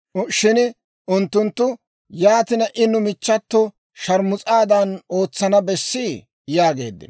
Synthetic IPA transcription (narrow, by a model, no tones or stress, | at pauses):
ʃɪn | ʊnt̪ːʊnt̪ːʊ | jaːt̪ɪnɐʔɪnːʊmɪt͡ʃːɐt̪ːɔ | ʃɐɾmʊt͡sʼaːd̪ɐno̞ːt͡sːɐnɐbɛsːi | jaːɡe̞̰ːd̪ːɪ̰n